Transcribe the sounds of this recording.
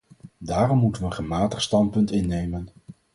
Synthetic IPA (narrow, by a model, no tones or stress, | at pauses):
daːrɔmːutənʋəənχəmaːtəχstɑntpɵntɪnːejmən